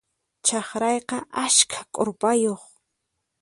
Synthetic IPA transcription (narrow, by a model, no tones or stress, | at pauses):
t͡ʃɑχɾɑjqɑʔaskʰḁkʼoɾpajoχ